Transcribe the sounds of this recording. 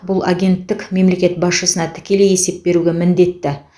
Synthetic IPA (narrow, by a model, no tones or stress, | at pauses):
bʊlˠaɡʲe̞nt̪ːɪkʲme̞mle̞kʲe̞t̪̚bɑsʃəsənɑt̪ʰɪ̥kʲe̞le̞je̞se̞p̚be̞ɾuɡʲe̞mɪnd̪e̞t̪ːɪ